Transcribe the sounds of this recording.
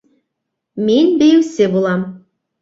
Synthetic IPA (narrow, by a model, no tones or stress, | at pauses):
menbɘ̆jĕwsebulˠɑm